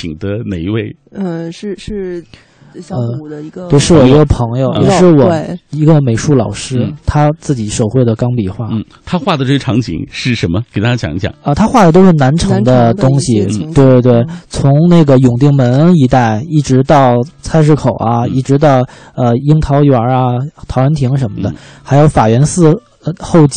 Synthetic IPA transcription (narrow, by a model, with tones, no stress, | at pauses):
t͡ɕʰi˨˩ŋd̪ə˦ne˨˩ɪi˧˥we˥˩ɪ˧˥˧ | ə˧˩˧twe˥˩ɪʂɻ̩˥˩wɔ˨˩i˧˥ɡə˧pʰɤ˧˥ŋjo˨ʊ˨˩ʂɻ̩˥˩wɔ˨˩i˧˥ɡə˧me˧˥ɪʂu˥˩lɑ˨˩ʊʂɻ̩˥t̪ʰa˥t͡sɹ̩˥˩t͡ɕi˨˩ʂo˨˩ʊxwe˥˩ɪd̪ə˩kɑ˥ŋpi˨˩xwa˥˩˥ | t̪ʰa˥xwa˥˩d̪ə˩ʈ͡ʂɤ˥˩ʈ͡ʂʰɑ˧˥ŋt͡ɕʰḭ˧˥ŋʂɻ̩˥˩ʂə˧˥nmə˧ke˨˩ɪt̪a˥ɕjɑ̰˧˥ŋ˥˩ɕjɑ̰˨˩˦ŋə˧t̪ʰa˥xwa˥˩d̪ə˩t̪o˥ʊʂɻ̩˥˩na˧˥nʈ͡ʂʰɤ˧˥ŋd̪ə˧t̪ʊ˥ŋɕi˨t̪we˥˧ɪ˧t̪we˥˩ɪt͡sʰʊ˧˥ŋne˥˩ɪɡə˩jʊ˨˩ŋt̪i˥˩ŋmə˧˥ni˧˥t̪a˥˩ɪi˥˩ʈ͡ʂɻ̩˧˥t̪ɑ˥˩ʊt͡sʰa˥ɪʂ̬ɻ̩˥˩kʰo˨˩ʊɐ˦i˥˩ʈ͡ʂɻ̩˧˥t̪ɑ˥˩ʊ | ə˧i˥ŋt̪ʰɑ˧˥ʊjwa˧˥ɐ˧t̪ʰɑ˧˥ʊɻə˧˥nt̪ʰi˧˥ŋʂ̬ə˧˥nmə˧d̪ə˨˧xa˧˥ɪjo˧˥ʊfa˨˩ɥɛ˧˥nsɹ̩˥˧ | ə˧xo˥˧ʊt͡ɕ